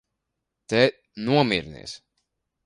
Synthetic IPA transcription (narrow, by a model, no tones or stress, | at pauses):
t̪ɛ | nuɔmiɾnḭɛs